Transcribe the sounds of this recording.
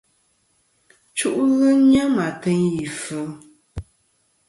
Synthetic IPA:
t͡ʃu˦ʔɣɨ˦ɲa˦ma˨tɨ˦ŋji˨fɨ˨˦

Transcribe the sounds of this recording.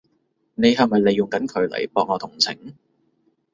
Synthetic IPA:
ne˨˧jɦɐ˨jmɐ˨jle˨˧jːʊ˨ŋkɐ˨˥nkʰɵ˨˧ɥlɐ̰˨˩jpɔː˨˧k̚ŋɔː˨˧t̪ʰʊ˨˩ŋt͡sʰɪ̰˨˩˦ŋ

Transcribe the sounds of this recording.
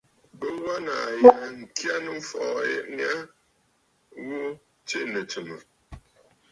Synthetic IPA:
bə˦wa˦na˨ja˨ŋ̩˨kja˦nə˦ɱ̩˦fɔ˨jɛ̰˨ʔm˦a˦ | wu˦ | t͡ʃe˦nə˨t͡ʃə˨mə˨

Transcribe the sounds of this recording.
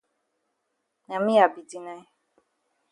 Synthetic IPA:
nã˨mĩ˦a˨bi˨di˨nã˦

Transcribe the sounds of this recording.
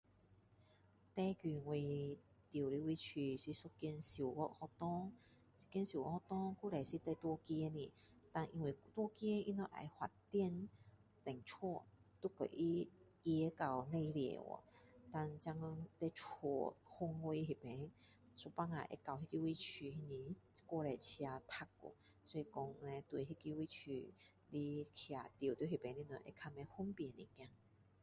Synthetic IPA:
t̪ɛ˦kji˧˨ŋwe˧ | t̪jwli˧wi˦t͡ɕʰi˧˩si˧so˦kjɛ˧nsi˨˩wwɔ˧hɔ˧t̪ɔ˦ŋ | t͡si̥˧kjɛ˧nsi˨ɔ̰˧˦hɔ˧t̪ɔ˦ŋku˦le˨˩jsi˧t̪e˧t̪wɔ˧kjɛ˧˦ni˧˩ | t̪a˧nʔi˧˩ŋwe˧˩t̪wɔ˧˥kje˦ḭ˦nɔ˧˥ʔa̰˨˧˩jhwa˨˩tt̪jɛ˥˧n | t̪ɛ˨˩ŋt͡ʃʰwɔ˥˧˨t̪u˦kə̰˨ʔi˦˧ɛ˧˦ka˧wnẽ˥˧ljɛ̰˨˩wɔ̰˨˩˦t̪a˥˧nt͡ɕa˧ŋ˧˦t̪e˦t͡ʃʰɔ˧˩hu˧˦ŋwe˧˦ɦi˨˩pɛ̃˨˦ŋ | su˧˦pa˦ŋa̰˨ʔḛ˧˦ka˧˨wɦi˦ki˧wi˦t͡ɕʰy˧˩hi˧nĩ˧kwɔ˥˧lɛ˧t͡ɕʰja˧t̪ʰa˧k̚ɔ̰˨˩ | sɔ˧˦i˨kɔ˧ŋ˧nɛ̃˧t̪we˨˩ɦi˦ki˦wi˦t͡ɕʰy̰˧˩ | li˦kʰja˧t̪ji˨˩t̪jo˧˦ɦi˨˩pɛ̃˨˦nli˦nu˧˨˦ʔḛ˧˦kʰa˧mɛ˧hu˦mpjɛ˨nḭ̃˨kjã˧ŋ

